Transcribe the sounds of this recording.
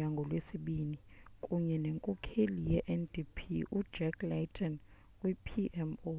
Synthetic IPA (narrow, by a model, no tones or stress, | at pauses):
aŋɡʱɔlwesiɓinikʼuɲɛneŋkʼɔkʰelijɛʔɛndʱipʰḭʔud̥ʒ̥ɛkʰlɛtʰʼɔn | kʼwipʰiʔɛmo